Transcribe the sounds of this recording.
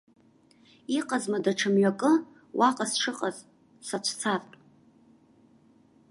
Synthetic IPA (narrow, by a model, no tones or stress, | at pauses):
iqʼazmadaʈ͡ʂʰɨmɥakʼɨ | wʔaqʼasʂɨqʼaz | sat͡ʃʷʰt͡sʰartʼ